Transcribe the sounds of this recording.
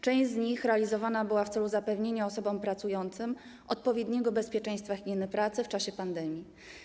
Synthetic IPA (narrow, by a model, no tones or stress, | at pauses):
t͡ʂɛ̃ʑzɲixɾɛalʲizɔvanabɘwaft̪sɛluzapɛvɲeɲaɔsɔbɔmpɾat̪sujɔnt̪sɘm | ʔɔt̪̚pɔvʲjed̪ɲɛɡɔbɛspʲjɛt͡ʂɛ̃j̃st̪faɣʲimʲinɘpɾat̪sɘft͡ʂaɕɛpand̪ɛmʲji